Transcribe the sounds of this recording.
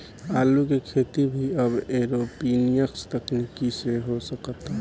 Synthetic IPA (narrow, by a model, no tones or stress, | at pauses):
aːlukekʰeːt̪ibʱiəbeɾopinijəkst̪əknikiseɦosəkət̪ɦɛ